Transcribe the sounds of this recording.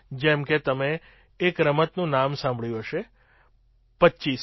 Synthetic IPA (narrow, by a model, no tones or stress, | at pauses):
d͡ʒɛmket̪əmeː | kɾəmət̪nũnamsãmbʱɭjũɦəʃe | pətːʃis